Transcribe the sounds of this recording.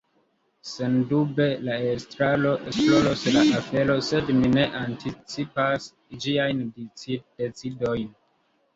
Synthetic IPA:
sendube̞laestɾalo̞ʔesplo̞loslaʔafe̞lo̞sedmine̞ʔantit͡sipas | d͡ʒiajndit͡sidet͡sido̞jn

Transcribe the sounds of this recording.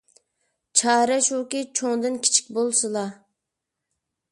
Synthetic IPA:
t͡ʃʰɑːɾɛʃukʲit͡ʃʰoŋd̪ɨnkʲʰi̥t͡ʃʰi̥k̚ʲbolˠsɨlˠɑ

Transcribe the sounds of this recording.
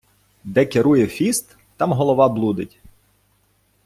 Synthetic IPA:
d̪ɛkeɾujɛfʲist̪ːɑmɦɔlˠɔʋɑblˠud̪ɪtʲ

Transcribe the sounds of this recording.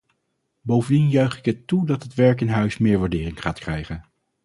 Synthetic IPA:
bowvəndinjœɥχɪkɦətːudɑtɦətʋɛɹkɪnɦœɥsmɪːɹʋaːɹdɪːrɪŋχaːtkrɛjχən

